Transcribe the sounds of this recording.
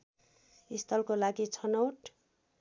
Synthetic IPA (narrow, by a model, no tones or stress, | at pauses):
ist̪ʰʌlkolaɡit͡sʰʌnowʈ